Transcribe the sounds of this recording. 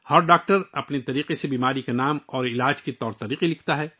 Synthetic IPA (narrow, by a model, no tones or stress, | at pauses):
hɐɾɖaːk̚ʈəɾɐpnet̪ɐɾiːqesebiːmaːɾikanaːmɔːɾɪlaːd͡ʒkit̪ɔːɾt̪ɐɾiːqilɪkʰt̪aɦɛː